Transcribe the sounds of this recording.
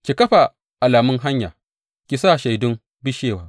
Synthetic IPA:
kʲi˨kɐ˦ɸa˨ | ʔa˨laː˨mʊ˦ŋɦa˦ɲja̰ː˨ | kʲi˨sa˦˨ʃa˨jdʊ˦m | bɪ˦ʃeː˦˨waː˦

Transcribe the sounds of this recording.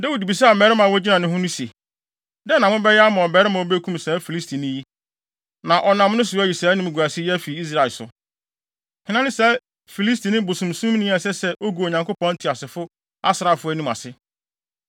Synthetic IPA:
dɛ˦wu˨di˨bi˨sɛ˦a˨mɛ˨ɾɪ˦mã˨wɔ˦d͡ʑi˦nã˨nʊ̃˦ɦʊ̃˦nʊ̃˦si˨e˨ | dɛ˦nã˨mʊ̃˦bɛ˦jɛ˦a˦mã˨ɔ˨bɛː˨ɾɪ˦mã˨o˦be˦kʰũ˦msɛː˨˦fi˨li˦stʰi˨nĩ˦ji˦ | nã˨ʔɔ˨nã˨m˦nʊ̃˦sʊ˨˦ɔ˦˨i˨saː˨˦nɪ̃˦m˨ɡu˨æ˨sɪ˦ɛ˦æ˦fi˨i˦s̬ɾa˨ɪ˨sʊ̰˨ | hɪ̃˨nã˦nɪ̃˦sɛ˨˦ | fi˨li˦s̬ti˨nɪ̃˦bo˨sũ˨msũ˦m˦nɪ̃˦a˨sɛ˦sɛ˦ʔo˦ɡu˨o˨ɲã˨ŋko˦pɔ̃˦n˦tʰɪ˨a˨sɪ˨fʊ˦ | a˦sɪ˨ɾa˨fʊ˦æ˦nũ˦ma̰˨sɪ˦

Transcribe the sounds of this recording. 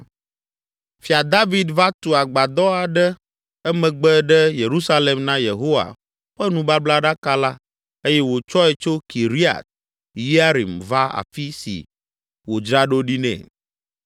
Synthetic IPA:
fi˨a˨d̪a˦vi˨d̪va˦t̪u˨a˨ɡ͡ba˨d̪ɔ˦a˨ɖɛ˦ | ɛ˦mɛ̃˨ɡ͡bɛ˦ɖɛ˦je˨ɾu˦sa˦le˨mnã˦je˨ɦo˦wa̰˨ | ɸɛ˦nũ˨ba˦bla˦ɖa˦ka˦la˦ | e˦jɛ˦wo˨t͡ʃɔ˦ɛ˨t͡ʃo˦ki˨ɾi˦a̰˨t̪̚ | ji˦a˦ɾḭ˨mva˦a̰˨fi˦sḭ˨ | wo˨d͡ʒɾa˦ɖo˦ɖi˦nɛ̰̃˨

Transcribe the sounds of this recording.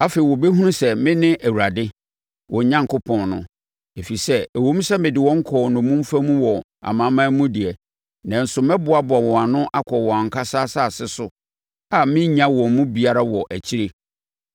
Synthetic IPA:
a˦fe˨i˨wɔ˨be˦ɦu˦ũ˦sɛ˨mɪ̃˦nɪ̃˦ʔæ˨wu˨ɾa˨dɪ˦ | wʔɔ̃˨ɲ˨ɲã˦ŋkʰʊ˦pʰɔ̃˨nnʊ̃˨ | e˨fi˨sɛ˦æ˨wõ˦m̩˦sɛ˦mɪ̃˨dɪ˨wɔ̃˦ŋ̩˦kʰɔː˨nʊ̃˨mũ˦m̩˦fa˦mũ˦wɔ˨ | a̰˨mã˦mã˦mũ˦dɪ˨ɛ˨ | nã˨n̩˦sʊ˨mɛ̃˦bʊ˦a˦bʊ˨a˨wɔ̃˨a˨nʊ̃˦ʔa˦kʰɔ˨wɔ̃˨a˨ŋ̩˨kʰa˦saː˦sa˦˨sɪ˦sʊ˦ | a˨mɪ̃˦ɲã˦wɔ̃˨mũ˦bi˨a˦ɾa˦wɔ˨ʔæ˨t͡ɕʰi˦ɾe˦

